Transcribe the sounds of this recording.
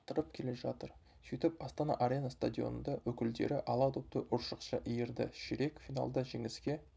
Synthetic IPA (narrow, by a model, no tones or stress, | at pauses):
t̪əɾəp̚kʲʰe̞le̞ʒɑt̪əɾ | sit̪ɪpɑst̪ɑnɑ̰ʔaɾʲenɑst̪ad̪ʲio̰nənd̪ɑwɵkʲɪld̪ḛɾɪʔɑlˠɑt̪ʰʊp̚t̪əʔʊɾʃəqʃɑʔijeɾd̪ɪ̰ʃɪɾe̞kfijna̰lˠd̪ɑʒe̞ŋɪskʲe̞